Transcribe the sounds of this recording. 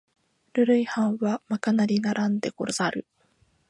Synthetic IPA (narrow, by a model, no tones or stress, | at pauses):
ɾɯ̟ɾɯ̟ihãɰ̃βamakanaɾʲinaɾãnd̪e̞koɾsaɾɯ̟